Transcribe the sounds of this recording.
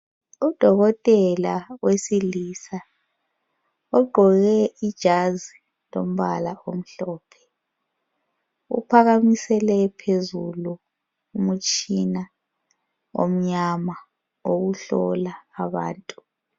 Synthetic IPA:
ud̥ʱɔɣɔtʼɛlawesilisa | ɔɡ͡ǃʱɔɣɛid̥ʒ̥ʱazi | lom̩βalaʔom̩ɬɔːpʰɛ̥ | ṵpʰaɣamisɛlɛpʰezulu | umut͡ʃʼina | o̰m̩ɲama | oɣuɬɔ̰laːβa̰ːntʼu

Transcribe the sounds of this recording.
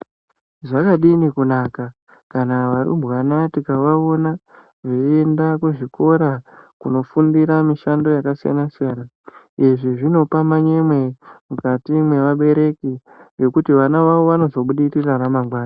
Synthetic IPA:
ʐakaɗinikunaːka | kanaʋaɾṵbɣanatikaʋao̞na | ʐeendakuʐiko̞ɾakuno̞fundiɾamiʃando̞jakasija̰nasijana | eʐiʐino̞pamaɲe̞mwe̞mukatimwe̞ʋaɓe̞ɾe̞ki | ŋe̞kutiʋanaʋaʋo̞ʋano̞zo̞ɓuɗitiranamaɡwaːna

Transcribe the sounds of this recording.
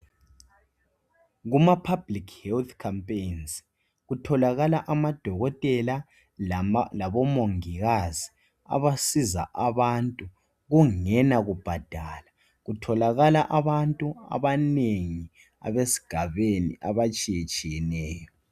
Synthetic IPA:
ɣumapʰab̥likʰhɛlt̪ʰkʰampʼejns | ɣutʰɔlaɣalaʔamad̥ʱɔɣɔtʼɛla | laβɔmoŋiɣazi | a̰βasiza̰ʔaβantʼu | ɣuŋɛnaɣub̥ʱad̥ʱala | ɣutʰɔlaɣalaʔaβantʼua̰βaneŋi | a̰βesi̥ɡ̥ʱaβenḭʔaβat͡ʃʼijɛt͡ʃʼijɛnɛːjɔ

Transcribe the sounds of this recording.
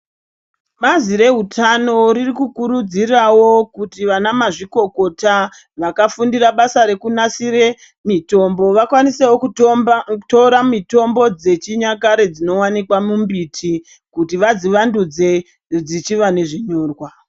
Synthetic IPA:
maziɾe̞ɦutʰano̞ɾirikukuɾud͡zirawo̞kutiʋanamaʐiko̞ko̞ta | ʋakafundiraɓasaɾe̞kunasire | mito̞mbo̞ʋakwanisewoku | toɾamito̞mbo̞d͡ze̞t͡ʃiɲak̬aɾe̞d͡zino̞wanikwamumbitʰi | kutiʋad͡ziʋandud͡ze̞ | d͡zit͡ʃiʋane̞ʐiɲo̞ːrwa

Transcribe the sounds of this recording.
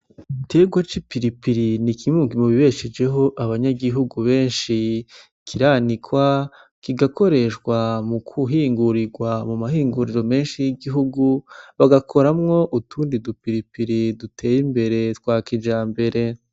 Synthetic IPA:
te̞ːɡwat͡ʃipiɾipiɾinikʰimuːŋɡimuβiβe̞ʃed͡ʒe̞ɦo̞ʔaβaɲaɡiɦuɡuβe̞ːnʃi | kʰiɾaːnikwa | kiɡako̞ɾe̞ʃkwamukʰuɦiːŋɡuɾiɾɡwamumahiːŋɡuɾiɾame̞ːnʃijiɡiɦuɡuβaɡakʰo̞ɾamŋo̞ʔutʰuːndidupiɾipiɾidutʰe̞ːjimbe̞ɾe̞tkwaːkid͡ʒaːmbe̞ɾe̞

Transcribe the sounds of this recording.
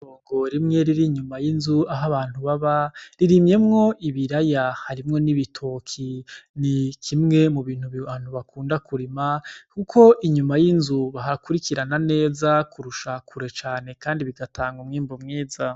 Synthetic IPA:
oːŋɡo̞ɾimŋe̞ɾiɾiɲumajinzuaɦaβaːn̥huβaβaɾiɾimje̞mŋo̞ʔiβiɾajahaɾimŋo̞niβitʰo̞kʰinikʰimŋe̞muβiːn̥huβiβaːn̥huβakʰuːndakuɾimakukʰo̞ʔiɲumajinzuβaɦakuɾikiɾanane̞ːzakuɾuʃakʰuɾe̞t͡ʃaːne̞kaːndiβiɡatʰaːŋɡumŋiːmbomŋiːza

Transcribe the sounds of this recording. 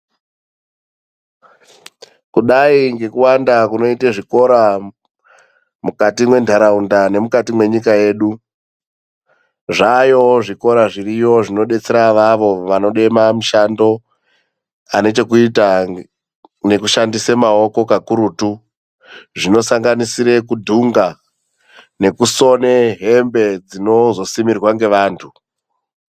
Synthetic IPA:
kuɗaiŋɡe̞kuwandakuno̞iteʐiko̞ɾa | mukatimwe̞ndʱaɾaundane̞mukatimwe̞ɲikaje̞ːɗu | ʐajo̞ʐiko̞ɾaʐirijo̞ʐino̞ɗe̞t͡se̞ɾaʋaʋo̞ʋano̞ɗe̞mamuʃando̞ | ane̞t͡ʃe̞kuita | ne̞kuʃandisemao̞ko̞kakuɾutu | ʐino̞saŋɡanisiɾe̞kudʱuŋɡa | ne̞kuso̞neɦe̞mbe̞d͡zino̞zo̞simirwaŋɡe̞ʋaːntʰu

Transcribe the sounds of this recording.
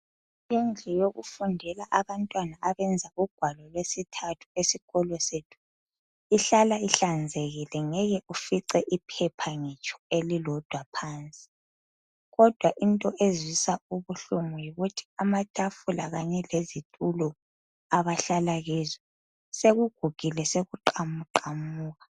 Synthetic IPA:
ind͡ɮʱɛjoɣufundʱɛlaʔaβantʼwanaʔaβɛnd͡zʱauɡ̥ʱwalɔlwesitʰatʰu̥esiɣɔlɔsetʰu̥ | iɬalaiɬand͡zʱeɣilɛŋɛɣɛʔufiǀɛʔipʰɛpʰaŋɛt͡ʃʼɔ̥elilɔd̥ʱwapʰaːnt͡sʼi̥ | ɣɔd̥ʱwaʔintʼɔʔezwisauβuɬumujiɣutʰi̥amatʼafulaɣaɲɛlezitʼulɔ | aβaɬalaɣizɔ | seɣuɡ̥ʱuɡ̥ʱilɛseɣuǃamuǃamuːɣa

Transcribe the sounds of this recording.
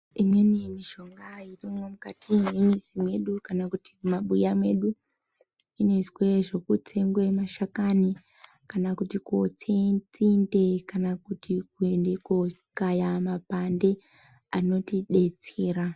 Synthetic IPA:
imwe̞nimiʃo̞ŋɡairimomukatʰimwinisimwe̞ɗukanakutiumaɓujamwe̞ɗu | inezwe̞ʐo̞kutʰe̞ŋɡwemaʃakani | kanakutikot͡set͡sindekanakutik̚uendeko | kajamapande̞ | ano̞tiɗe̞t͡se̞ːɾa

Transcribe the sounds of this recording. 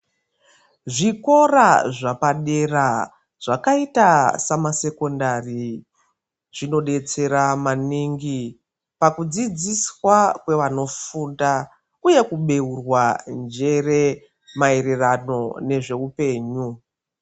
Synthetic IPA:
ʐiko̞raʐapaɗe̞ra | ʐ̥akaitasamase̞ko̞ndari | ʐ̥ino̞ɗe̞t͡se̞ɾamaniŋɡi | pakud͡zid͡ziswakwe̞ʋano̞funda | uje̞kuɓe̞urwand͡ʒe̞re̞ | maeɾerano̞ne̞ʐe̞upe̞ːɲu

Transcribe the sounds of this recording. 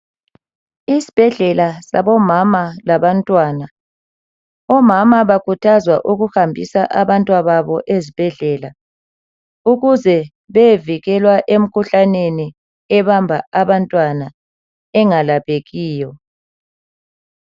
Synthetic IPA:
isi̥b̥ʱɛɮɛlasa̰βɔmamalaβantʼwaːna | ɔmamaβakʰutʰazwa̰ʔuɣuhambʱisaʔaβantʼwaβaβɔʔezib̥ʱɛɮɛla | uɣuzɛ | βeviɣɛlwaʔem̩kʰuɬaneni | ɛβambʱaaβantʼwana | ɛŋalaβeɣiːjɔ

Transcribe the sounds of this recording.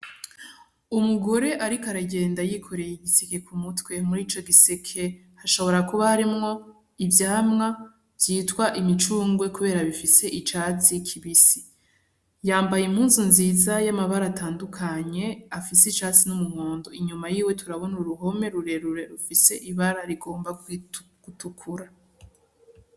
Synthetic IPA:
umuɡo̞ɾe̞ʔaɾikaɾaɟe̞ːndajikʰo̞ɾe̞jiɡiseke̞kʰumutwe̞muɾiːt͡ʃo̞ɡisekʰe̞ | haʃo̞βo̞ɾakuβaɾimŋo̞ | ivjaːmŋa | vjiːtwaʔimit͡ʃuːŋɡwe̞kuβe̞ːɾaβifise̞ʔit͡ʃaːt͡sikʰiβisi̥ | jaːmbajimhuːnzunziːzajamaβaɾatʰaːndukʰaɲe̞afiset͡ʃaːt͡sinumuhoːndo̞iɲumajiːwe̞tʰuɾaβo̞nuɾuɦo̞me̞ɾuɾe̞ɾuɾe̞ɾufise̞ʔiβaɾaɾiɡo̞ːmbaɡ̥utukʰuɾa

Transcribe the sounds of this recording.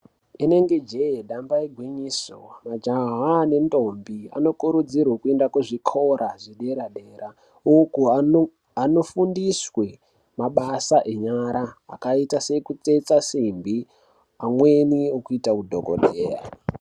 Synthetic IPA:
ine̞ŋɡe̞d͡ʒejeɗambaiɡʱwiɲiːsomad͡ʒaɦane̞ndo̞mbia̰no̞kuɾud͡zirwakue̞ndakweʐikʰo̞ɾʔaʐiɗe̞ɾaɗe̞ːɾa | uku | ano̞fundiswe̞ | maɓasaʔe̞ɲaɾa̰ːkaitasekut͡set͡sasimbi | amwe̞niokuitakudʱoko̰ɗeːra̰

